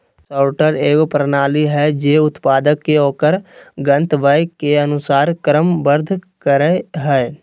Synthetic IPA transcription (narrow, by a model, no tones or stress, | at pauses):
saːʈəɾeːkpɾənaːliɦɛd͡ʒeːʊt̪paːd̪əkːeoːkəɾɡə̃nt̪ʋəjkeɐnʊsaːɾkɾəmbəɾd̪ʱkəɾeɦɛː